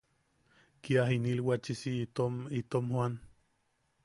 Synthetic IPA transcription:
kiaɦinilwat͡ʃisit̪omit̪omhwan

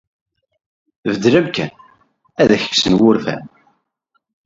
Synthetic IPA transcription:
vəd̪ɾæmkːæ̰n | æðæçə̥ksənwʊɾfæ̰n

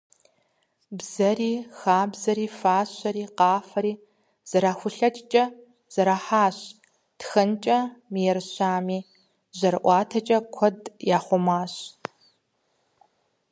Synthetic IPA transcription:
bz̥ɐɾiːxaːbzɐɾiːfaːɕɐɾiːqɑːfɐɾiː | z̥ɐɾaːxʷʊɬɐt͡ʃʼt͡ʃʼɐ | z̥ɐɾaːħaːɕ | txɐnt͡ʃʼɐmijɛrɕaːmiː | ʑɐrʔʷɑːtʰɐt͡ʃʼɐkʷʰɔdjaːχʷɔmaːɕ

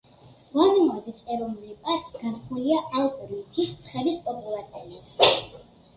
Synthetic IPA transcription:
vɔnɛmɔzisɛɾɔnulipʼaɾkʼɡ̥anχʰuliaʔalˠpʼɔɾit̪ʰist̪χɛbispʼɔpʼulˠat̪sʰiat̪ʰ

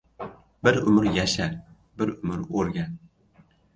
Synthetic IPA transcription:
bɪɾʊmɪɾjaʃaɾ | bɪɾʊmɪɾoɾɡʲan

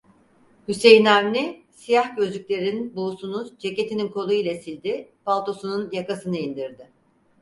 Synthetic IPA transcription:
hyse̞jnamnʲisijahɟø̞zyc̚ʲlʲe̞ɾininnbusunud͡ʒece̞t̪ʰininkʰo̞lˠuilʲˠasilʲd̪ɪpʰalˠt̪o̞sununjakasɯnɯind̪iɾd̪ɪ

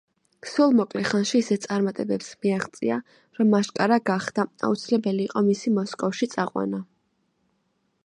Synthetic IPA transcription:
sulˠmɔkʼlɛχanʃiːsɛt̪sʼaɾmat̪ʼɛbɛpsmiaʁt̪sʼḭa | ɾɔmːaʃkʼaɾaɡaχd̪̥aa̰ṵt̪sʰilɛbɛliːqʼɔmisimɔskʼɔfʃit̪sʼaqʼwa̰na

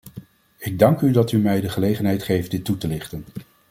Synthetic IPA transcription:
ɪɡ̚dɑŋkydɑtymɛjdəχəlejχənɦɛjtχejft̚dɪtːutəlɪχtən

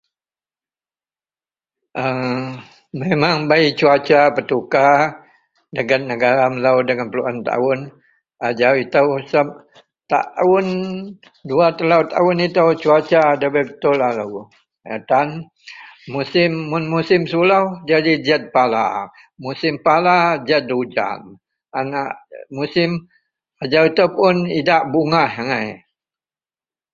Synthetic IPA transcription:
ʔə | memaŋbait͡ʃuat͡ʃapət̪uka | dəɡanːəɡaɾaməlawdəŋanpəluʔant̪a̰ʊn | ad͡ʒawit̪awsap̚ | t̪a̰ʔʊn | duat̪əlaut̪a̰ʊnit̪awt͡ʃuat͡ʃadabəbət̪ʊlalaɡu | a̰t̪an | musɪmːʊnmusɪmsulawd͡ʒadid͡ʒət̪̚pala̰ | musɪmpalad͡ʒət̪̚dud͡ʒa̰m | anaʔmusɪm | ad͡ʒawit̪awpʊnidaʔbuŋahaŋaj

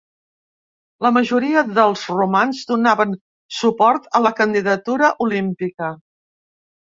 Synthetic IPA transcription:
ləməʒuɾiəðəlˠzrumanzd̪unaβən | supɔɾt̪ələkənd̪iðət̪uɾəʔulimpikə

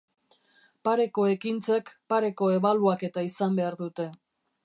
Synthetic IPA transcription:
paɾe̞ko̞e̞kint͡se̞kpaɾe̞ko̞e̞βaluake̞t̪aisambe̞aɾðut̪e̞

